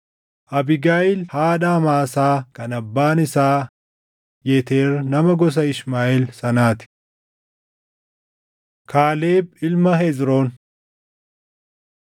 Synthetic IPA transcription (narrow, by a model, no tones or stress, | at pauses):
ʔɐbɪɡaːʔɪlhaːᶑaːmaːsaːkɐnɐbːaːnɪsaː | jɛt̪eːɾnɐmɐɡɔs̬ɐɪʃmaːʔɛlsɐnaːt̪ɪ̥ | kaːleːbɪlmɐɦezɾoːn